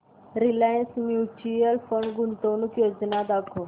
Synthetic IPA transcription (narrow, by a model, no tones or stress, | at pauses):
ɾilajənsmjut͡ʃujəlfəɳɖɡunt̪onukjod͡ʒnad̪akʰo